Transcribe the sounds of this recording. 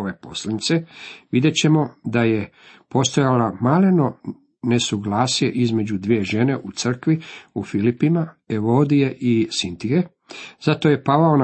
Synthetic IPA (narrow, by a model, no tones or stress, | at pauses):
oʋepo̞slanit̪seʋid̪je̞t͡ɕe̞mo̞d̪aje̞ | po̞st̪ojalamaleno̞ | ne̞suɡlaːsije̞ʔizme̞d͡ʑud̪ʋie̞ʒe̞ne̞ʔut̪sr̩kʋiufilipimaeʋod̪ijeʔisint̪iɡe | z̥at̪o̞ːje̞paʋao̞n